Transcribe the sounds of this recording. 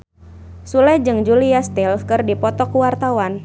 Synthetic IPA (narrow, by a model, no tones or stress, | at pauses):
sulɛd͡ʒɨŋd͡ʒuliast̪ilfkɨrdipɔt̪ɔkuwart̪awan